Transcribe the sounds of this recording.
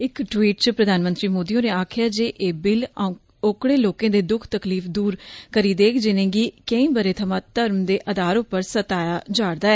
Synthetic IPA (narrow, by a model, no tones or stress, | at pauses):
ɪkʈwiːʈ̚t͡ʃəpɾəd̪aːnmə̃nt̪ɾiːmoːd̪iːõːneːaːkʰjaːd͡ʒeːʔeːbɪl | okɽeːloːkẽːd̪eːd̪ʊkʰt̪əkliːfʰd̪uːɾkəɾiːd̪eːkd͡ʒɪnẽːɡiːkə̃ĩːbəɾeːt̪ʰəmãːt̪əɾmd̪eːʔəd̪aːɾʊpːəɾsət̪aːjaːd͡ʒaːɽd̪aːɛː